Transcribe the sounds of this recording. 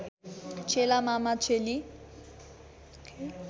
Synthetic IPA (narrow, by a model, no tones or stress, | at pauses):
t͡ʃʰelamamat͡sʰeli